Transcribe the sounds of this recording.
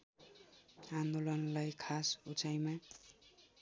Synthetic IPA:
ãnd̪olʌnlajkʰasut͡sʰajma

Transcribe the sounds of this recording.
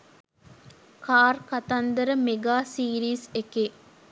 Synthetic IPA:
kaːrkat̪and̪əɾəmeɡaːsiːɾiːsekeː

